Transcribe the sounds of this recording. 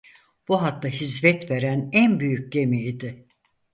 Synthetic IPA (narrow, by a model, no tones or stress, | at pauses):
b̥uɦat̪lːaɦizmɛt̪ve̞ɾænænbyjyc̚ɟemiːd̪ɪ